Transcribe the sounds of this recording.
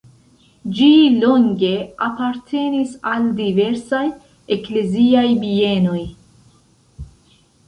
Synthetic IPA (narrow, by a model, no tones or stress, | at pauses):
d͡ʒilo̞ŋɡe̞apaɾtʰe̞nisaldive̞ɾsaj | e̞kle̞ziajbie̞no̞j